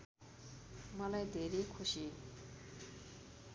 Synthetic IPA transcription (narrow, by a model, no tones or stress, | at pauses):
mʌlajd̪eɾikʰuɕi